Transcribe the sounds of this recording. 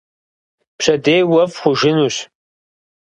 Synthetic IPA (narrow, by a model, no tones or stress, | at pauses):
pɕɐdejwɐfχʷʊʒɪnuːɕ